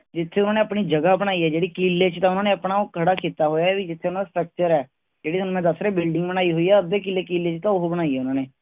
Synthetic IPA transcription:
d͡ʒɪt̪ʰːeːʊnaːneːəpniːd͡ʒəɡaːbəɽ̃aːiɦɛːd͡ʒeːɽiːkiːlːeːt͡ʃt̪ãːʊnãːneːəpnaːokʰəɽaːkʰiːt̪aːɦoːjaːɛːʋid͡ʒɪt̪ʰːeːʊnãːd̪asʈɾək̚t͡ʃəɾɛː | d͡ʒeːɽiːsənũːmɛ̃ːd̪əsɾeːbɪlɖɪ̃ŋɡbənaːiɦʊiːɛːəeːk̬ɪːlːeːkiːlːeːt͡ʃt̪ãːʊɦobəɽ̃aːiɦɛːʊnãːneː

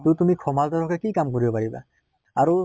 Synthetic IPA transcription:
tutumikʰɔmaltɔɾɔkɛkikamkoɹibɔpaɹiba̰ | aɹu

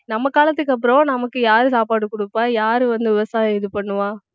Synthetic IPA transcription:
nɐmːɐkaːlɐt̪ːɯkːɐp̬ːɯɾõnɐmɐkːɯjaːɾɯsaːpaːɽɯkːʊɽɯpːaːjaːɾɯʋɐnd̪ɯʋɪʋɐsaːjɪðɯpɐɳːɯʋãː

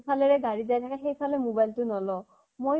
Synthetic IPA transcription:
pʰalɛɹɛɡaɹizajtʰakaxejpʰalɛmobajltʊnɔlɔ | moj

